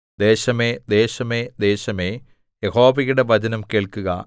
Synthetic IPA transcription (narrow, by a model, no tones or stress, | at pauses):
d̪eːɕɐme̞ːd̪e̞ːɕɐmeːd̪e̞ːɕɐmeː | jeho̞ːbɐɣuɽeʋɐd͡ʑɐnɐmkeːɭkuɣɐ̰